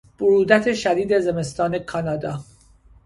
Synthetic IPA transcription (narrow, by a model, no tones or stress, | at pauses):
b̥ʊɾuːd̪æt̪ʰeʃæd̪iːd̪e̞zeme̞st̪ɒːne̞kʰɒːnɒːd̪ɒː